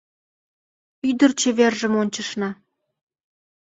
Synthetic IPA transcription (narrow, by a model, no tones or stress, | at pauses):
yd̪ə̆rt͡ɕeβerʒə̆monʲt͡ɕə̆ʃnɑ